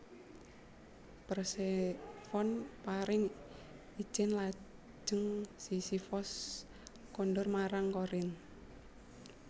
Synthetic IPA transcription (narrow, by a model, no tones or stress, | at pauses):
pərsefɔnpaɾɪŋ | i̥d͡ʒ̥ɛnlḁ | d͡ʒ̥əŋsisifɔs | kɔnɖɔrmaɾaŋkoɾɪn